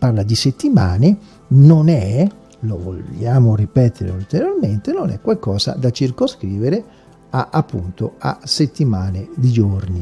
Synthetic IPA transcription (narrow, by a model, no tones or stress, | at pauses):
parlad̪iset̪ːimaːne | nonɛ | lovo̰ljaːmoripɛt̪ʰeɾḛult̪eɾjorment̪enonɛ̰kwalkɔːza̰d̪at͡ʃirkoskɾiːveɾe | aʔapːṵnt̪oa̰set̪ːimaːned̪id͡ʒorni